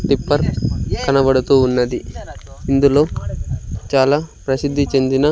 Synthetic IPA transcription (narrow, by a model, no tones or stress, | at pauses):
ʈ̪ipːɐɾkɐnɐbɐɽut̪uːnːɐd̪iind̪ulo̞ː | t͡ʃaːlaːpɾɐsid̪ʱːit͡ʃe̞nd̪inɐ